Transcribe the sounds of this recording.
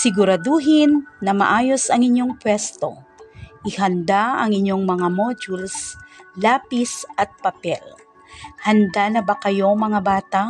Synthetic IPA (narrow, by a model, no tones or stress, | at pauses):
sɪɡʊɾɐd̪uːɦɪnːɐmɐ̰ʔaːjo̞sɐŋɪɲjo̞ŋpwɛst̪o̞̰ʔɪhɐnd̪aɐŋɪɲjo̞ŋmɐŋamod͡ʒulslaːpisʔɐt̪̚pɐpɛl | hɐnd̪anɐbakɐjo̞ŋmɐŋabaːt̪a